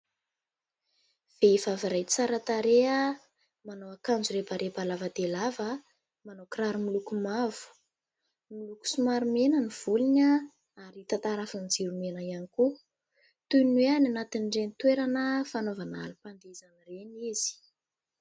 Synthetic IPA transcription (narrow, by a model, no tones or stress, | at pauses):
v̥eivaviɾajt͡saɾat̪aɾeə | manowakand͡zuɾepaɾʔebalavəd̪elavə | manokɾaɾimilukumav̥u̥ | miluku̥sumaɾumenəniv̥uliɲə | aɾit̪at̪aɾafand͡ziɾumenəianiku | t̪ujnweananat̪inɖ͡ʐenit̪weɾanəfanovana̰lupand̪ezanireniz̥i̥